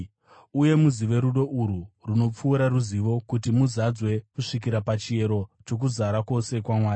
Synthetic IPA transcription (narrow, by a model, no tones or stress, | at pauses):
uje̞muziʋe̞ɾuɗo̞ʔuɾuruno̞p͡fuːɾaruziʋo̞kutimuzad͡zwe̞kuʂik̬iɾapat͡ʃie̞ɾo̞t͡ʃo̞k̬uzaɾako̞se̞kwamwaːi